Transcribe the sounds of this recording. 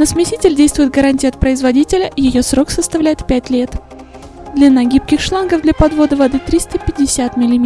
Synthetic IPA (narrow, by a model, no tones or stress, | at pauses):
nəsmʲɪtʲitʲɪlʲdʲejst̪vʊjɪt̪ɡəɾanʲtʲijɐt̪̚pɾəɪzvɐdʲitʲɪlʲəjɪjo̞sɾo̞ksəst̪ɐvlʲæjɪt̪pʲætʲlʲe̞t̪ | d̪lʲɪnɐɡʲipkʲɪxʂlˠanɡəvd̪lʲɐpɐd̪vo̞d̪əvɐd̪ɨt̪ɾʲist̪əpʲɪdʲːɪsʲæt̪mʲɪlʲɪmʲ